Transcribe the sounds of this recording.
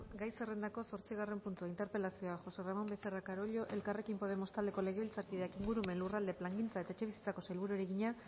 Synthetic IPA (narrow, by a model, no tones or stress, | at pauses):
ɡajsere̞nd̪ako̞so̞ɾt͡siɣ̞are̞mpunt̪uaint̪e̞ɾpe̞lasioaxo̞se̞ramo̞mbese̞rakaɾo̞ʎo̞ʔe̞lkare̞kimpo̞ð̞e̞mo̞st̪ald̪e̞ko̞le̞ɣ̞e̞βilt͡saɾkiðeakiŋɡuɾume̞nlurald̪e̞plaŋɡint͡sae̞t̪ae̞t͡ʃe̞βisi̥t͡sako̞sajlβuɾueɾeɣiɲa